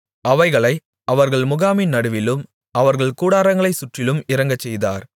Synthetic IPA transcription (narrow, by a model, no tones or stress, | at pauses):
ʔɐʋɐɪɣɐɭɐɪ | ʔɐʋɐɾɣɐɭmʊɣaːmɪnɐɽɯʋɪlɯm | ʔɐʋɐɾɣɐɭkuːɽaːɾɐŋɡɐɭɐɪsʊʈrɪlɯmɪɾɐŋɡɐt͡ʃːɛjða̰ːɾ